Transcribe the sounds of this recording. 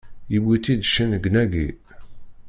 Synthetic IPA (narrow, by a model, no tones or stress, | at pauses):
jibit̪ːid̪ʃənəɡnæɡi